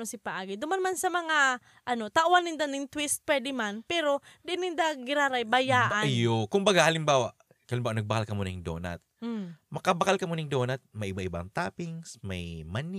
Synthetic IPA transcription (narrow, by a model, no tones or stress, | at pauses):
osɪpɐʔaːɡɪd̪ʊmanmansɐmɐŋa | ʔɐno̞t̪aʔʊwanːɪnd̪anɪŋt̪wɪst̪̚pwɛd̪ɪmanpɛːɾo̞d̪ɪʔɪnɪnd̪aɡɪɾaːɾajbɐjaːʔanjokʊmbɐɡahɐlɪmbaːwaʔ | aɐlɪmbaːwanɐɡ̚bɐkalkɐmonɐŋd̪o̰ːna̰t̪̩̚mɐkabɐkalkɐmonɪŋd̪oːnɐt̪̚mɐjʔɪbaʔɪba̰ŋt̪aːpɪŋsmɐjman